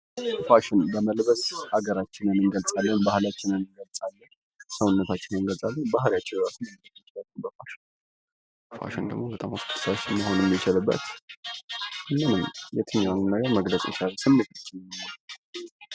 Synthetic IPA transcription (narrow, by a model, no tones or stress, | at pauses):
faʃɪnbəməlbəshaɡəɾat͡ʃːɪnɨnɨnɡəlsʼalːənbahlat͡ʃːɪnɨnːɨnɡəlsʼalːən | səwʊnːət̪ʰat͡ʃːɪnɨnɡəlsʼalːənbaɦljat͡ʃːɪnɾat͡ʃːɪnəit͡ʃːlaubəfaʃɪn | fa̰ʃɪnd̪ə̰ɡmobət̪ʼa̰moskt̪ːɨ̥saʃməho̞nəmːɪt͡ʃɪlɨbːə̰t̪ | ɨnːɨnɨmjɛt̪ʰɨɲːannːaɡəɾməɡləkʼɪt͡ʃaləsɨmːet̪ʰat͡ʃːɪnmhan